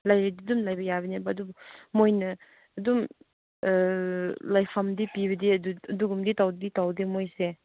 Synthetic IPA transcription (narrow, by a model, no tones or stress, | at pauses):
lajɾididumlajbɐjabɐnebɐːdubmojnɐː | dum | lajpʰɐmdipiβɐdiɐduɐduɡumditawdditawdimojse